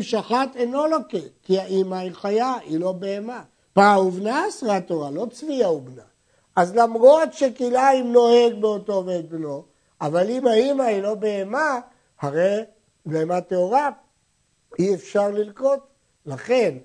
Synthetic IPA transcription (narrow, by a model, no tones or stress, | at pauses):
mʃaχat̪eno̞lokekiaimaiχajailo̞beema | pauvnaasʁat̪oʁalo̞t͡sviaubna | azlamʁo̞t̪ʃekilaimno̞he̞ɡ̚beotoved̪̚beno | avalimaimailo̞beːma | haʁej | beemat̪eoʁa | iefʃaʁlilko̞t̪ | laχe̞n